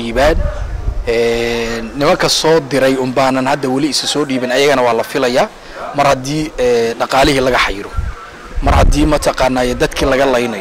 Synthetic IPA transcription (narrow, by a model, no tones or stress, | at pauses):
iːβaːn | ɛːnːɪmɐŋkʰɐsɔːd̪ɪɾɛjʊmbaːnɐnhɐd̪ːɐwɑlɪɪsɐsɔːɖiːβɪnɐjɐɣɐnɐwɑːlɐfɪlɐjaː | mɐrhɐd̪iːɛːɖɑqɑːlɪɦilɐɣɐħɑjɾɔ | mɐrhɐd̪iːmɐt̪ʰɑqɑːnːaːjɛd̪ɐd̪kʰiːlɐɣɐlɐjnɐj